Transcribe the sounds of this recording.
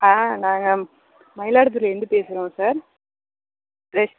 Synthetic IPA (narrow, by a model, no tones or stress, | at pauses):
aːnaːŋɡɐ | mɐjɪlaːɽɯt̪̬ːɯlɛnd̪ɯpeːsɯɾõːsaːɾ | ɾɐs